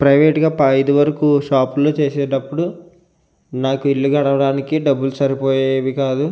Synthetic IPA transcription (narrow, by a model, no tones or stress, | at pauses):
pɾɐjʋeːʈɡaːpɐjd̪uʋɐɾɐkuʃaːpuloːt͡ʃeːsɛːɖɐpːuɽu | naːkuiɭːuɡɐɽɐʋɐɽaːnikiɖɐbːulusɐɾipoːjeʋikaːd̪u